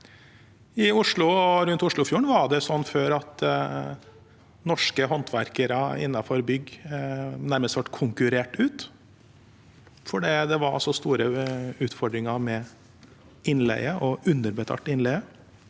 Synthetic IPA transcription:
ɪʊʂɭʊɔɾʉnt̪ʊʂɭʊfjuːɳʋɑɖɛsɔnːføːɾɑt̪ | nɔʂkəɦɔnt̪ʰʋæɾkəɾəɪ̰nːɑfɔɾbʏɡ | næɾməsʋɑʈkʰʊŋkʉɾeːʈʉːt̪ | fɔɖiːd̪ɛʋɑɾɔ̰sɔst̪uːɾəʉːt̪fɔɖɾɪŋɑɾmɛ | ɪnlɛ̰ɪɡəʔɔʉnːəɾbət̪ʰɑ̰ːʈɪnlɛɡə

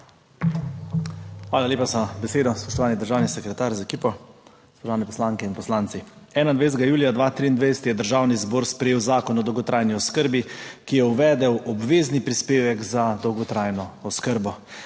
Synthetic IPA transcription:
xʋaːlaleːpasabɛseːd̪ɔspɔʃt̪ɔʋaːnid̪əɾʒaːwnisɛkɾɛt̪aːɾzaɛkiːpɔ | spɔʃt̪ɔʋawnɛpɔ̥slaːŋkɛinpɔslaːnt̪siɛːnainʋejs̬t̪ɛɡajuːlijad̪ʋaːt̪ɾiːnd̪ʋad̪sɛ̥t̪jɛd̪əɾʒawnizboːɾspɾɛjeːwzaːkɔnɔd̪ɔwɡɔt̪ɾajniɔskəɾbikijɛuʋɛːd̪ɛwʔɔbʋeːznipɾispeːʋɛɡzad̪ɔwɡɔt̪ɾajnɔːskəɾbɔ

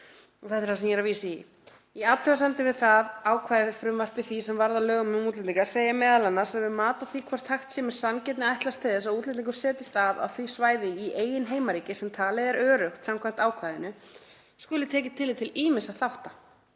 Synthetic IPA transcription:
ɔɣθɛt̪ɛɾ̥asɛmjɛɾaviːsɪi | iat̪œasant̪ɪvɪðθaðaːwkʰvaːjðɪfɾʏmvar̥pɪθisɛmvaɾðalœːɣʏmʏmuːt̪lɪt̪iŋkaɾ̥seːjamɛːðalanːḁsɛvɪmaːt̪aθikʰvaɾ̥t̪ʰaxt̪sɛːmɪ̥sancɛt̪nɪajht̪last̪ʰɪðɛsaðuːt̪lɪt̪iŋkʏɾ̥sɛːt̪ɪst̪ava̰ðθisvaːjðɪiʔeːjɪnɦeːjmaɾiːcɪsɛmt̪ʰaːlɪðɛɾœːɾʏxt̪samkʰvajm̥t̪aːwkʰvajðɪnʏ | skʏlɪt̪ʰɛːcɪt̪ʰɪlːit̪ʰɪliːmɪsaθawht̪a

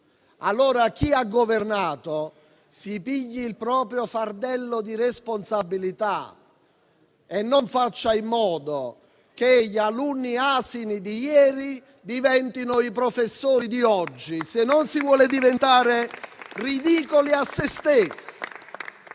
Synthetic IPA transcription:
a̰lːoːɾak̟iaɡːovernaːt̪o | sipiʎːiːlpɾɔːpɾjofard̪ɛlːod̪iresponsabːilit̪a̰ | enːoɱfat͡ʃːaimːɔːd̪o | keʎːalunːiaːsinid̪ijɛːɾi | d̪ivɛnt̪inʊipɾofesːoːɾid̪iɔd͡ʒːisenːonsivwɔːlɪd̪ivent̪aːɾerid̪iːkoliasːest̪esːi

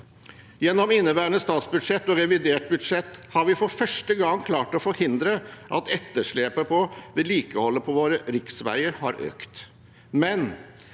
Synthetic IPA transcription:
jɛnːɔmɪnːəbæːɾənəst̪ɑːt̪sbʉd̪ʂɛt̪ːɔɾɛʋɪd̪eːʈ̚bʉd̪ʂɛt̪ːhɑɾʋɪfɔɾfœʂʈəɡɑŋːkʰlɑːʈɔfɔɾhɪnd̪ɾəʔɑt̪ɛt̪ːəʂɭeːpəpʰɔd̪ɛliːkəhɔlːəpʰɔʋoːɾəɾɪksʋæ̰ɪəɾhɑ̰ɾʔø̰ːkt̪ | mɛn

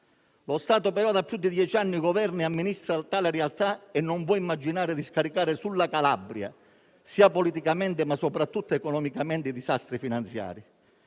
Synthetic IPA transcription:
lost̪aːt̪opɛɾɔd̪apːjud̪ːid̪jɛt͡ʃianːiɡɔvɛrniamːinist̪ɾat̪aːlɪɾɛalt̪aɛnːɔɱvwɔimːad͡ʒinaːɾɪd̪iskaɾikaːɾɪsulːakalabɾja̰ | siːapɔlit̪ikamɛnt̪ɪmasːɔpɾat̪ːut̪ːaɛkɔnɔmikamɛnt̪ɪid̪isast̪ɾifinant̪sja̰ːɾi

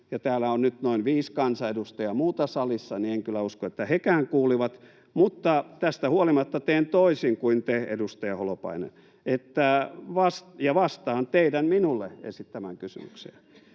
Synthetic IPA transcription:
jɑt̪æːlæonnyt̪noinʋiːskɑnsɑedust̪ɑjɑmuːt̪ɑsɑlisːɑnieŋkylˑæuskoet̪ːæhekæːŋkuːliʋɑt̪ | mut̪ːɑt̪æst̪æhuolimɑt̪ːɑt̪eːnt̪oisiŋkuint̪eḛdust̪ɑjɑholopɑ̰inḛn | et̪ːæʋɑstjɑʋɑst̪ɑːnt̪eidænminulːeḛsit̪t̪æmæŋkysy̰my̰ksḛː

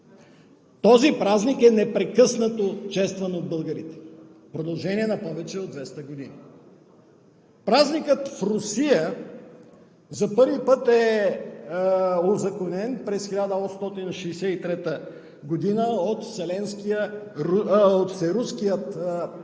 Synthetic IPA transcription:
t̪ɔzipɾaznikɛnɛpɾɛkɤsnət̪ot͡ʃɛst̪vɐnod̪̚bɤlˠɡəɾit̪ɛ̥ | pɾod̪ɐlˠʒɛniɛnɐpɔvɛt͡ʃɛod̪vɛst̪əɡod̪ini | pɾaznikət̪fɾʊsijə | zɐpɤɾvipɤt̪ɛ | ozɐkonɛnpɾɛsxilʲad̪əɔst̪ɔt̪inʃɛːsɛt̪it̪ɾɛt̪ə | ɡod̪inəot̪sɛlɛnskiə | ot̪sɛɾuskijət̪

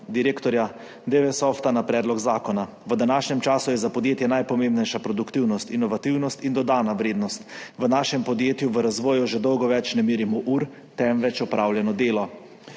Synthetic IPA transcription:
d̪iɾeːkt̪ɔɾja | d̪eʋɛsɔft̪anapɾɛːd̪lɔɡzaːkɔna | ʋəd̪anaːʃɲɛmt͡ʃaːsujɛzapɔd̪jeːt̪jɛnajpɔmeːmbnɛjʃapɾɔd̪ukt̪iwnɔst̪inɔʋat̪iwnɔst̪ind̪ɔd̪aːnaʋɾeːd̪nɔst̪ʋənaːʃɛmpɔd̪jeːt̪juʋəɾazʋɔːjuʒɛd̪ɔwɡɔʋɛt͡ʃnɛmeːɾimɔʔuɾ | t̪ɛmʋɛt͡ʃɔpɾʔawljɛnɔd̪eːlɔ

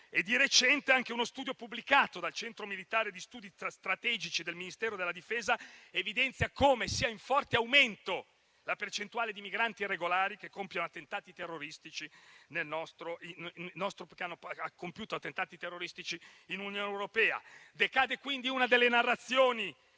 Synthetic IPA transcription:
ed̪iɾet͡ʃɛnt̪eaŋk̟eunost̪uːd̪jopubːlikaːt̪od̪alt͡ʃɛnt̪ɾomilit̪aːɾed̪ist̪uːd̪ist̪ɾat̪ɛːd͡ʒit͡ʃid̪elminist̪ɛːɾod̪elːad̪ifeːzaevid̪ɛnt̪sjakoːmesiːaiɱfɔrt̪eawment̪o | lapert͡ʃent̪uaːled̪imiɡɾant̪irːeɡolaːɾikekːompjanoat̪ːent̪aːt̪it̪erːoɾist̪it͡ʃinelnɔst̪ɾoinnɔst̪ɾokanːoakːompjuːt̪oat̪ːent̪aːt̪it̪erːoɾist̪it͡ʃiːnunjoːnewɾopɛːa̰d̪ekaːd̪ekwind̪iunad̪elːenarːat̪sːjoːni

